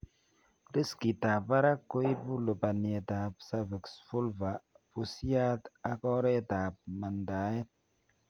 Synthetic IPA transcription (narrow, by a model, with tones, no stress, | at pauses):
ɾi˦ski˨ta˨pa˦ɾa˦ko˦i˦bu˦lo˨pa˨n˨e˨ta˨psa˦ve˨ksfu˦lva˨ | pu˨si˦a˦ta˦kɔ˦ɾe˦ta˨p̚ma˨nda˨˦je˦t̚